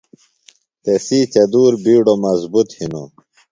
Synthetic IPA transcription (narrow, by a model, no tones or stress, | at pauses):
t̪esiːt͡ɕɐd̪uːɾbiːɖomɐzbut̪hino̰